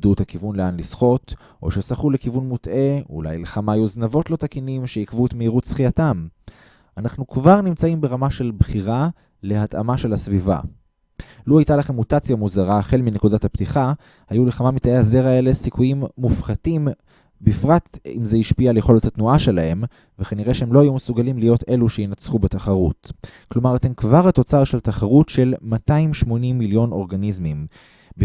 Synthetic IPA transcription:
dutakivunleanlisχo̞t | ʔo̞̰ʃesaχulekivunmutʔe̞ṵla̰jleχamaːjuznavo̞tlo̞takinimʃejikvuet̪meiʁutsχijatam | anaχnukvaʁnimt͡saimbeʁamaʃe̞lbχiʁa | le̞hat̪a̰maʃe̞lasviva̰ | luhajtalaχemːutat͡sjamuzaʁaχelminekudathaptiχa | hajuleχamamit̪aeazeʁae̞lesikujimːufχatim | bifʁatḭmzeiʃpialejχo̞let̪hat̪nuaʃe̞lahe̞m | vekaniʁeʃehemlo̞hajumesuɡalimlijo̞te̞luʃeinat͡sχubetaχaʁṵtklo̞maʁat̪enkvaʁhato̞t͡saʁʃeltaχaʁutʃe̞lmataimʃmo̞nimːiljo̞no̞ʁɡanizmim | b

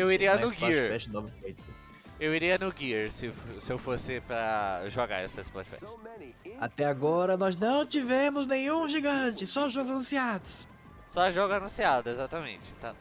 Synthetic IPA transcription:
ewiɾɾiɐʊɡiɾfɛt͡ʃɪnovfejt̪ʊ | ewiɾiɐnʊɡiɾsɪsɪewfosɪpɾɐʒoɡa̰ɾɛsesɪ̥pla̰t͡ʃfɛ̰t͡ʃ | at̪ɛaɡɔɾɐnɔznɐ̃w̃t͡ʃivẽmʊznẽjɲ̃ũʒiɡɐ̃t͡ʃɪsɔʒoɡalũsiad̪ʊs | sɔʒɔɡʊanũsiad̪ʊezat̪ɐmḛ̃t͡ʃɪ̥t̪a̰

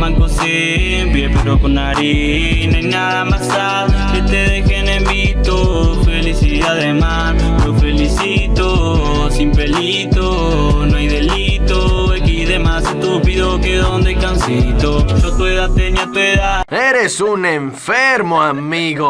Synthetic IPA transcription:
maŋkose | mpɾepeɾokonaɾi | najnaðamasaðset̪eðexenemit̪ofelisi | aðemas | lofelisit̪o | siɱfeli | t̪o | noajðelit̪oekiðemasest̪upiðokeðond̪eajkansit̪oʃot̪weðat̪eɲat̪weðaðeɾesuneɱfeɾmoamiɣo

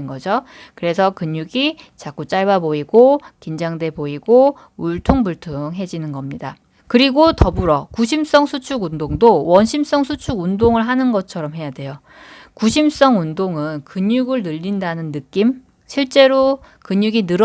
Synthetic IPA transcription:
nɡʌd͡ʑokɯɾe̞sʰʌkɯɲuɡit͡ɕak͈ut͡ɕ͈aɭbaboiɡokind͡ʑaŋde̞boiɡo | uɭtʰoŋbuɭtʰɯŋɦe̞d͡ʑinɯnɡʌmɲida | kɯɾiɡotʌbuɾʌkuɕʰims͈ʌŋsʰut͡ɕʰuɡundoŋdowʌnɕʰims͈ʌŋsʰut͡ɕʰuɡundoŋɯɭɦanɯnɡʌt͡ɕʰʌɾʌmɦe̞jade̞jo | kuɕʰims͈ʌŋundoŋɯnkɯɲjuɡɯɭnɯʎːindanɯnːɯk͈im | ɕʰiɭt͡ɕ͈e̞ɾo | kɯɲjuɡinɯɾ

